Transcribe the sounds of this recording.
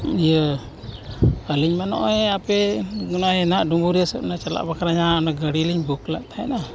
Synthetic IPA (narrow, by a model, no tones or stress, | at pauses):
ijə | əliɲmanɔ̰ʔɛapɛɡunaɦɛnaʔɖumbuɾijəsəp̚nat͡ʃala̰ʔbakaɾaɲaɔnaɡəɽiliɲbukla̰ʔt̪ʰaɛ̰na